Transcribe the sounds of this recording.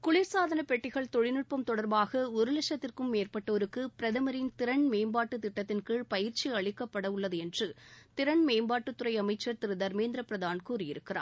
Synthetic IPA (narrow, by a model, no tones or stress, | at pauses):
kʊɭɪɾsaːðɐnɐpɛʈːɪɣɐɭt̪ɔɻɪnɯʈ̚pɐmt̪ɔɽɐɾbaːɣɐɔɾɯlɛʂɐt̪ːɪrkɯmːeːrpɐʈːɐːɾɯkːɯpɪɾɐðɐmɐɾɪnt̪ɪɾɐɳmeːmbaːʈːɯt̪ɪʈːɐt̪ːɪnkɯɭpɐjɪɾt͡ʃiɐɭɪkːɐpːɐɽɐʊɭːɐðɯɛndrɯt̪ɪɾɐɳmeːmbaːʈːɯt̪ːʊɾɐɪɐmɐɪt͡ʃːɐɾt̪ɪɾɯðɐɾmeːnd̪ɾɐpɪɾɐðaːnkuːrɪjɪɾɯkːɪra̰ːn